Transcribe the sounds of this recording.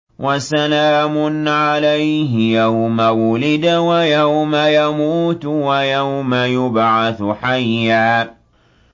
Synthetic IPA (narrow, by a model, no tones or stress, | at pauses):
wʔasalaːmʊnʕalajɦɪjawmawʊlɪd̪wajawmajamuːt̪wajawmajʊbʕaθħajːaː